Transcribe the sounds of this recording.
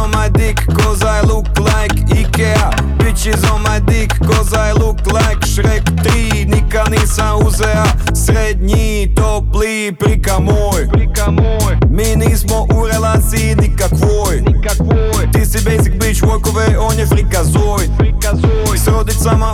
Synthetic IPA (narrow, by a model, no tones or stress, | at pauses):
omajd̪ikːozajluklajkikea | bit͡ʃizomajd̪ikːozajluklajkʃɾekt̪ɾi | nikaniːsauzɛa | sɾed̪ɲi | t̪opli | pɾikamoːjpkao | miːniːsmoʔuɾelasinikakʋoːjni | ko | jt̪isibejzik̚bit͡ʃʋojkoʋeonjepɾikazoːj | sɾod̪it̪sama